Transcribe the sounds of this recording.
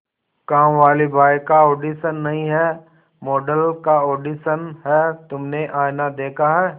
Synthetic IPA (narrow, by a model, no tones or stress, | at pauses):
kãːʋaːlibʱaːjkaoːɖiːʃənːɐɦĩɦɛː | mɔːɖəlkaoːɖiːʃənɦɛt̪ʊmneʔaːjnad̪eːkʰaɦɛː